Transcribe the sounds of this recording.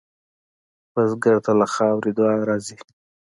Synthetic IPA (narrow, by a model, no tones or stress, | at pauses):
pazɡəɾt̪alaxɑwɾid̪wɑɾɑzi